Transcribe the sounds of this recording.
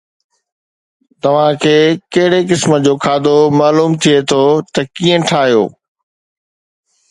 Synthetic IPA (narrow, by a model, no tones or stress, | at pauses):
t̪ɐʋ̤ãkʰeːkɐɦɪɽekɪsmə̆d͡ʑoːkʰaːd̪omaːluːmt̪ʰiet̪ʰoːt̪ɐkiːə̃ʈʰaːɦijo̰ː